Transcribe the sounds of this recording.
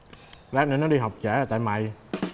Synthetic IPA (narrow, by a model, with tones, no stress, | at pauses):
laː˦˥t̚nə˧˦nɔ˨˦ɗi˧ɦa˨˩wk͡p̚t͡ɕaː˧˩aː˨˩t̪aː˧˨jma̰˨˩˨j